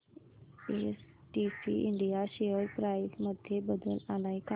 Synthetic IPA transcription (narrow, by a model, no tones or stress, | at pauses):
eːs | ʈiːsḭʔɪ̰ɳɖijaʃeːəɾpɾaːɪsməd̪ʱjebəd̪əlãːlaːika